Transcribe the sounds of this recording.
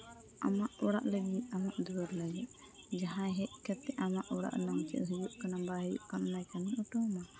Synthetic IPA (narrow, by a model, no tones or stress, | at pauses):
a̰maʔɔɽa̰ʔləɡiʔamaʔd̪uaɾlaɡɛʔ | d͡ʒaɦãjɦɛʔ̚ˀkɛt̪ːɛʔamaʔɔɽa̰ʔnɔŋt͡ʃɛ̰ʔ̪ɦəjuʔkanabaɦɛjṵʔkannajkaniʔuʈɔma